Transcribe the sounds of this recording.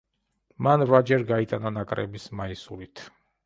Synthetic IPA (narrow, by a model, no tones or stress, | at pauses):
manvɾad͡ʒɛɾɡait̪ʼananakʼɾɛ̰bismaisulit̪ʰ